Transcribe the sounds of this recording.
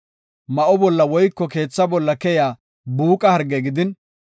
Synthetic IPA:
mɐʔɔbɔlːɐwɔjkːɔke̞ːt͡sːɐbɔlːɐkɛjaː | buːkʼɐhɐɾɡɛɡɪd̪ɪn

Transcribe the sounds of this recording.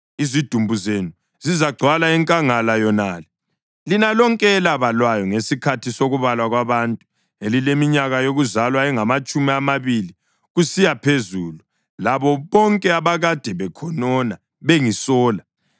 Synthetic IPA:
izid̥ʱumbʱuzenu | zizaɡ͡ǀʱwalaɛŋkʼaŋalajɔnaːlɛ | linalɔŋkʼɛːlaβalwajɔŋesikʰatʰisoɣuβalwaɣwaβantʼu̥ | elilemiɲaɣajoɣuzalwaɛŋamat͡ʃʼumiamaβili | ɣusijapʰezuːlu | laβɔβɔŋkʼɛaβaɣad̥ʱɛβɛkʰɔnɔna | βeŋisɔːla

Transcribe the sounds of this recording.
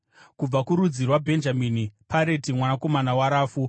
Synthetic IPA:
kub͡vakuɾud͡zirwabʱe̞nd͡ʒaminipʰaɾe̞timwanako̞manawaɾaːfu

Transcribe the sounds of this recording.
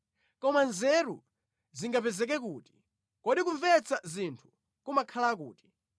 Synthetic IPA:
kɔmanzɛɾṵ | ziŋɡapɛzɛk̬ɛk̬uːti̥ | kɔɗikuɱvɛt͡sazintʰu̥ | kumakʰalak̬ṵːti̥

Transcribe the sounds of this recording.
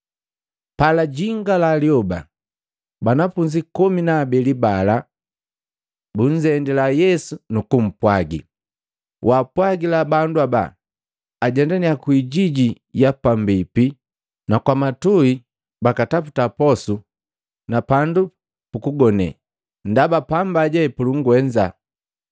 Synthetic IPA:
palaɟiŋɡalaliɔba | banafuɲd͡ʒikuminaːbɛlibala | buɲ̩d͡ʒɛndɛlajɛsunukum̩pwaɡḭ | wʔaːpwaɡilabanduaba̰ | aɟɛndaniakwiɟiɟi | japambipi | nakwamatui | bakataputapɔsu | napandu | pukuɡɔnɛ̰ | ndabapambaɟɛpuluŋɡwɛɲd͡ʒa̰

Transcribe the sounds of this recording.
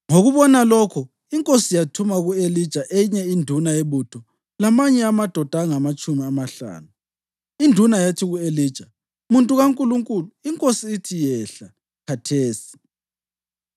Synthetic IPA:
ŋoɣuβɔnalɔkʰɔ | iŋkʼosijatʰumaɣuelid̥ʒ̥ʱaʔeɲɛindʱunaeβutʰɔ | lamaɲɛamad̥ʱɔd̥ʱaŋamat͡ʃʼumiamaɬa̰ːnu | indʱunajatʰiɣueliːd̥ʒ̥ʱa | muntʼuɣaŋkʼuluŋkʼuluiŋkʼosiːtʰijɛɬa | kʰatʰeːsi̥

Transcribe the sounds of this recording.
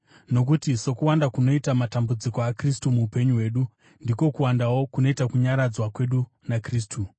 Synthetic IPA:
no̞kutiso̞kuwandakuno̞itamatambud͡zikoakristumuːpe̞ɲuwe̞ːɗu | ndiko̞kuwandawo̞kuno̞itakuɲaɾad͡zwakwe̞ɗu | nakriːs̬tʰu

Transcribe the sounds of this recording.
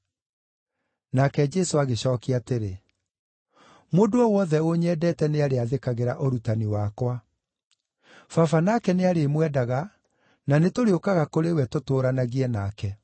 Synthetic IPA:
nakɛd͡ʒɛsoaɣeɕɔːkiateɾe | moːdoɔwɔðɛoɲɛːdɛːtɛneaɾeaðekaɣeɾaʔoɾutaniwakwa | fafanakɛneaɾemwɛdaɣa | nanetoɾeokaɣakoɾewɛtotoːɾanaɣiɛnaːkɛ

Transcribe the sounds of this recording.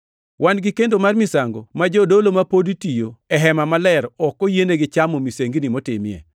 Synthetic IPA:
wʔanɡɪkendomarmisaŋɡo̰mad͡ʒɔdolomapoditijoɛɦɛmamalɛɾɔkːɔjeneɡɪt͡ʃamomiseŋɡinimotɪmɪjɛ̰

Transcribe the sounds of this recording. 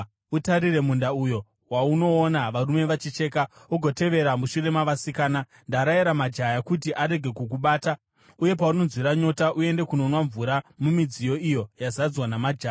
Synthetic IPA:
utaɾire̞mundaujo̞ | wauno̞ːnaʋaɾume̞ʋat͡ʃit͡ʃe̞ːkaoɡʱo̞te̞ʋe̞ɾamuʃure̞maʋasikaːna | ndaɾaiɾamad͡ʒajakut̬iʔaɾe̞ɡʱe̞kuk̬uɓaːta | uje̞pauno̞nzwiɾaɲo̞taʔue̞nde̞kuno̞nwaɱvuɾamumid͡zijo̞ijo̞jazad͡zwanamad͡ʒaːa

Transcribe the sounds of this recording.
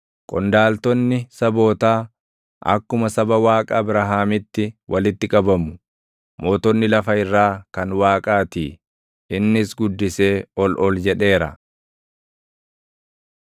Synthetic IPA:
kʼɔnd̪aːlt̪ɔnːɪsɐbo̞ːt̪aː | ʔɐ̰kːʊmɐsɐbɐwaːkʼabɾɐɦaːmɪt̪ːɪwʔɐlɪt̪ːɪkʼɐbɐmːʊ | moːt̪ɔnːɪlɐfɐɪrːaːkɐnwaːkʼaːt̪iː | ɪnːɪsɡʊd̪ːɪse̞ːɔlʔɔld͡ʒɛᶑe̞ːɾɐ̰

